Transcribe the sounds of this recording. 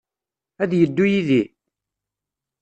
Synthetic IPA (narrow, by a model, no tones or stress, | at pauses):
æðjəd̪ːujiði